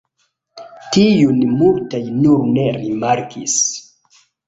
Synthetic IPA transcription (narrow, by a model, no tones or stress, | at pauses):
tijunmultajnuɾne̞ɾimaɾkʰḭs